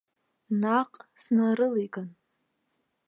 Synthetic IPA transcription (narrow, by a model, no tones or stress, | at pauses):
naqʼsnɨɾɨleɡɨn